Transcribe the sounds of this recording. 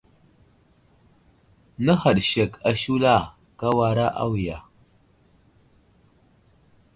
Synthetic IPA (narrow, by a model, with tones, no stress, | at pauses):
nə˦ha˨ɗʃa˨ka˨ʃu˦la˦˨ | ka˦wa˨ɾa˦ʔa̰˦wi˨ja˨